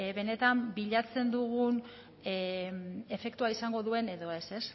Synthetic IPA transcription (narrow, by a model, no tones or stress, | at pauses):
βe̞ne̞t̪ambiʎat͡se̞nd̪uɣun | e̞fe̞kt̪uaisaŋɡo̞ðue̞ne̞ðo̞e̞se̞s